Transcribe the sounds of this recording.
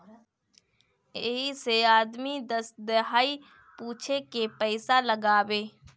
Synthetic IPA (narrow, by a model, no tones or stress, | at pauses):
eɦiseaːd̪mid̪əsd̪ɪɦaːi | puːt͡ʃʰekepəɪsaləɡaːweː